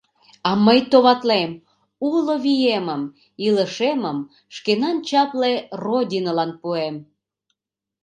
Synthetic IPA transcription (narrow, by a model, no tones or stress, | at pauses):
ɑməjt̪oβɑt̪lem | uloβijeməm | iləʃeməm | ʃkenɑnt͡ɕɑplerodʲinolɑnpuem